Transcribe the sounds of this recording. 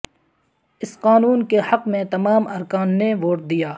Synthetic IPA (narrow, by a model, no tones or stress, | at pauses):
ɪsqaːnuːnkehɐqmẽt̪ɐmaːmɐɾkaːnːeʋoːʈ̚d̪ijaː